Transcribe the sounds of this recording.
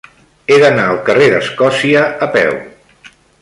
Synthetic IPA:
eðənaəlˠkəreðəskɔsiəəpɛ̰w

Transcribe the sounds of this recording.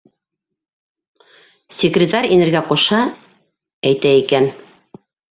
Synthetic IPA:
sʲɪkrʲɪt̪aɾʲinɘ̆ɾɡæqŏʃɑ | æjt̪æikæn

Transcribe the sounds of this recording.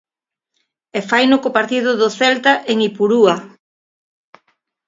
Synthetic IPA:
efajnʊkopaɾt̪iðʊðʊθɛlt̪aʔeŋipuɾua

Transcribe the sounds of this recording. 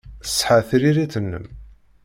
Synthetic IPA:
sːħaθɾiɾiθənːə̰m

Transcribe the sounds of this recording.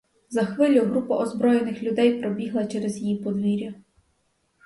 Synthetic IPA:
zɐxʋɪlʲʊɦɾupɐʔɔzbɾɔjenɪxlʲʊd̪ɛjpɾɔbʲiɦlˠɐt͡ʃɛɾɛzjjipɔd̪ʋʲiɾʲjɐ

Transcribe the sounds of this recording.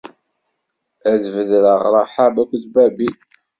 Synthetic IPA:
æðvəðɾəʁɾˤɑħabækʷːðbæbi

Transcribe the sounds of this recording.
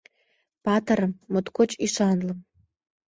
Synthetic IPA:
pɑt̪əɾəmːot̪kot͡ɕiʃɑnlɤ̆m

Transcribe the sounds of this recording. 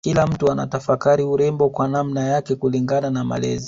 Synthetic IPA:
kilam̩tuana̰tafakaɾiuɾɛmbɔkwanamnajakɛkuliŋɡananama̰lɛ̰zi

